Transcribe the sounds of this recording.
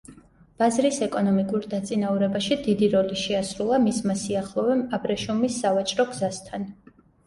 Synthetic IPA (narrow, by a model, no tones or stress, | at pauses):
b̥azɾisɛkʼɔnɔmikʼuɾd̪at̪sʼinauɾɛbaʃid̪id̪iɾɔliʃɛasɾulˠamismasiaχlˠɔvɛmabɾɛʃumisːavat͡ʃʼɾɔɡzast̪ʰan